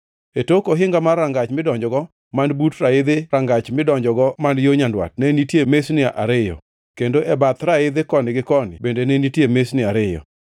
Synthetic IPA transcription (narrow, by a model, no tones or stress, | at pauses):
etokoɦɪŋɡamarːaŋɡat͡ʃmɪdɔɲd͡ʒɔɡɔ | mandbutraɪd̪ɪɾaŋɡat͡ʃmɪdɔɲd͡ʒɔɡɔmandjoɲandwa̰t̚nenitjemesnɪaʔaɾɪjɔ̰ | kendoʔɛbat̪ɾaɪd̪ɪkɔnɪɡɪkɔnɪ̰bendenenitjemesnɪaɾɪjɔ̰